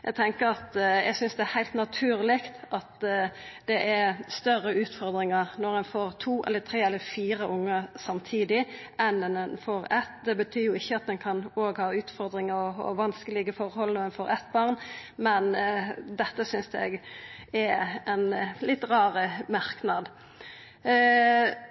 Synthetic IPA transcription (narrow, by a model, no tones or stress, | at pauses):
jʔɛɡ̚t̪ʰɛŋkəɾɑt̪jɛɡsʏnsd̪ɛæhæɪlt̪nɑt̪ʰʉːɾlɪkt̪ɑt̪d̪̥ɛʔæɾst̪œɾəʉːt̪fɔɾd̪ɾɪŋəʁnɔɾɛnfoːɾt̪ʰuːʔɛ̰lːət̪ʰɾeːɛlːəɾfiːɾəʔʊŋːəsɑmt̪ʰiːd̪ɪʔɛnɛnɛnfoːɾɛt̪ːd̪ɛbət̪ʰyːjʊɪçːəɑt̪̚d̪ɛnkʰɑnoːɡhɑːʉːt̪fɔʁd̪ɾɪŋəɔɔ̰ʋɑnskəlɪɡəfɔɾhɔlnɔɛnfoːɾɛt̪bɑʁnmɛnd̪ɛt̪ːəsʏnsɛ̰ɡɛɛnlɪt̪ːɾɑːʁəmɑɾknɑd̪